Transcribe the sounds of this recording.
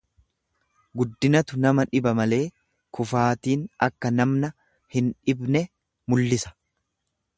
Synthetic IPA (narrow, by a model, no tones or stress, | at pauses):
ɡʊd̪ːɪnɐt̪ʊnɐmɐᶑɪbɐmɐle̞ː | kʊfaːt̪iːnɐkːɐnɐmnɐ | hɪnᶑɪbnɛ | mʊlːɪsɐ̥